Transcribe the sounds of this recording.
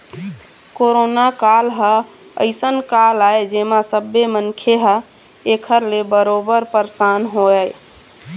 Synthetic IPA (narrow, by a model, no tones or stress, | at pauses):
koɾonakalɦəə̰ɪsənkalaed͡ʒemasəbːemənkʰeɦə | ekʰəɾlebəɾobəɾpəɾsanɦoɛ